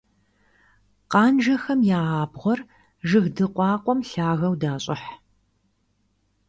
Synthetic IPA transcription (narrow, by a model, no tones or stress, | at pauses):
qɑːnʒɐxɐmjaːaːbʁʷɔr | ʒɨɣdɨqʷɑːqʷʼɔmɬaːɣɐwdaːɕʼɪ̰ħ